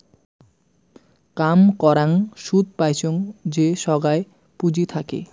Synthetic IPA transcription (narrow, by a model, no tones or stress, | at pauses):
kamkɔɾaŋʃud̪̚ʱpajt͡ɕʰoŋd͡ʑeʃɔɡae | pud͡ʑit̪ʰakḛ